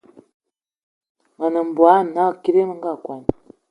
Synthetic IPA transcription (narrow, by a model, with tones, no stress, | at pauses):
ma˨nə˨m̩˨bwa˦˨a˦˨ki˦ɾe˦mə˦ŋ˦ɡa˦˨kwa˨n˨